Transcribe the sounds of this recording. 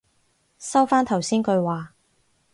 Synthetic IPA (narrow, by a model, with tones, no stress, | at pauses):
sɐ˥wfaː˥nt̪ʰɐ˨˩wsiː˥nkɵ˧ɥwaː˨